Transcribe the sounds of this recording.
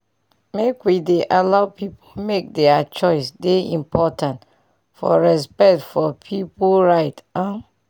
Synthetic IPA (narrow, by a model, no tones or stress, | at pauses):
mekwideʔalaʊpipʰomek̚dɛat͡ʃɔɪsdeĩmpʰɔtãnt | fɔ̰ɹɛspɛk̚tfɔpʰipoɹaɪtãn